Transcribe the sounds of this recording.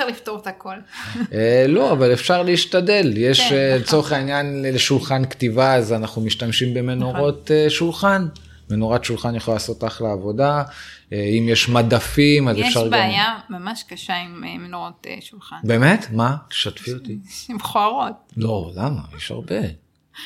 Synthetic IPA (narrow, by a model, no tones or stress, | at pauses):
aʁlift̪oʁot̪aakolelo̞avalefʃaʁliːʃtade̞ljeʃlet͡so̞ʁeχainjanleʃulχanktivaːzanaχnumiʃtamʃimbe̞me̞noʁo̞teʃulχan | menoʁatʃulχanjaχoalaːso̞taχleavo̞daeimjeʃmadafimazeʃaʁɡbamjamamaʃkaʃaimmenoʁot̪ʃulχanbe̞me̞t̪maʃat̪fiot̪iimχoaʁot̪̚lo̞lama̰jeʃa̰ʁbe̞